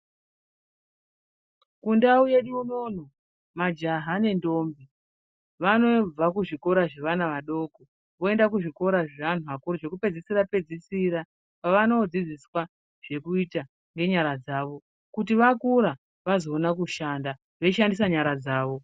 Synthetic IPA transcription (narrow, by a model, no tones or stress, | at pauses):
kundauje̞ɗuuno̞no | mad͡ʒaɦane̞ndo̞ːmbi | ʋano̞b͡vakuʐiko̞ɾaʐe̞ʋanaʋaɗo̞ːko | ʋo̞e̞ndak̬uʐiko̞ɾaʐeʋan̤uakuriʐe̞kupe̞d͡zisiɾape̞d͡zisiɾa | paʋano̞d͡zid͡ziswa | ʐ̥e̞kuita | ŋɡe̞ɲaɾad͡zaːʋo̞ | kutiʋakuɾa | ʋazoːnakuʃanda | ʋe̞iʃandisaɲaɾad͡zaːʋo̞